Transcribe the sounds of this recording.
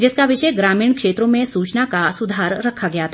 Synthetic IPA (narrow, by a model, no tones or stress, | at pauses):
d͡ʒɪskaʋɪʃəjɡɾaːmɪ̃ːɳkʃeːt̪ɾõmẽsuːt͡ʃnakasʊd̪ʱaːɾːɐkʰaɡɐjat̪ʰa